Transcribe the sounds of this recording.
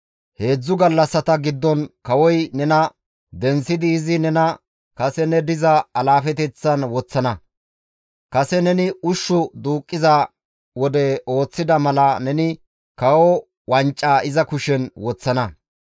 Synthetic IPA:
he̞ːd͡zːʊɡɐlːɐsːɐt̪ɐɡɪd̪ːɔnkɐwɔjnɛnɐ | d̪ɛnsːɪd̪ɪːzɪnɛnɐ | kɐsɛnɛd̪ɪzɐɐlaːfɛt̪ɛt͡sːɐnwɔt͡sːɐnɐ | kɐsɛnɛnɪʊʃːʊd̪uːkʼːɪza | wɔd̪ɛo̞ːt͡sːɪd̪ɐmɐlɐnɛnɪ | kɐwɔ | wɐnt͡ʃʼːaːɪzɐkʊʃɛnwɔt͡sːɐnɐ

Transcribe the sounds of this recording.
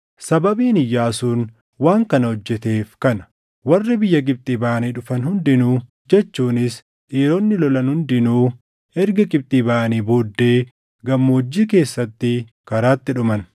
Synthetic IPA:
sɐbɐbiːnɪjːaːsuːn | waːŋkɐnɐhɔd͡ʒːɛt̪e̞ːfkɐnɐ̥ | wɐrːɪbɪjːɐɡʼɪb̚t̪ʼiːbaːɐniːᶑʊfɐnhʊnd̪ɪnuː | d͡ʒɛt͡ʃːuːnɪs | ᶑiːɾɔnːɪlɔlɐnhʊnd̪ɪnuː | ɛɾɡɐɡʼɪb̚t̪ʼiːbaːʔɐniːboːd̪ːe̞ː | ɡɐmːɐɔd͡ʒːiːke̞ːsːɐt̪ːɪ | kɐɾaːt̪ːɪᶑʊmɐn

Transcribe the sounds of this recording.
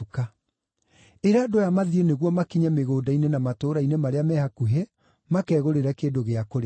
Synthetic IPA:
ka | eɾaːdojamaðieneɣwɔmakiɲameɣoːdainenamatoːɾainemaɾeamɛhakuɦe | makɛːɣoɾeɾɛkeːdoɣeakoɾ

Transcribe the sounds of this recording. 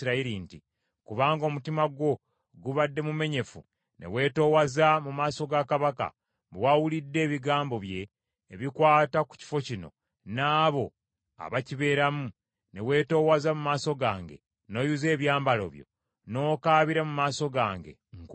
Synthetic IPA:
ɾaiɾinti | kuβaːŋɡo̞ːmutimaɡwo̞ | ɡuβadːe̞mume̞ɲe̞fṵ | ne̞̰we̞ːto̞ːwazamumaːso̞ɡakaβaka̰ | bewawulidːe̞ːβiɡaːmbo̞βje̞ː | βikwaːtaku̥ci̥fo̞cino̞̰ | naːβo̞ | a̰βaciβe̞ːɾamu | ne̞̰we̞ːto̞ːwazamumaːso̞ɡa̰ːŋɡe̞̰ | no̞ːjuze̞ːβjaːmbalo̞̰βjo̞̰ | no̞ːkaːβiɾamumaːso̞ɡaːŋɡe̞̰ŋk

